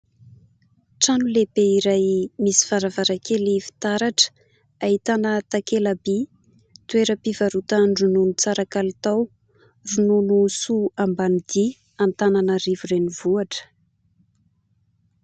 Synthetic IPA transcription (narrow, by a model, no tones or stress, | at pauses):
ʈ͡ʂanulebeiɾajmisi̥faɾavaɾakʰelifi̥t̪aɾaʈ͡ʂə̥ | ait̪anət̪akelabi | t̪ueɾəpivaɾut̪aɳɖ͡ʐununut͡saɾakalit̪aw | rununusuambanid̪i | ant̪ananərivurenivuaʈ͡ʂə̥